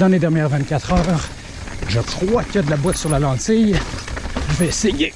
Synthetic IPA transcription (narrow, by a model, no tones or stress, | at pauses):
d̪ɑ̃led̪ɛʁnjɛːʁvɛ̃t̪̚kʲat̪χœːʁ | ʒəkχwakʲjad̪əlabwat̪syʁlalɑ̃sɪj | ʒəvɛeseje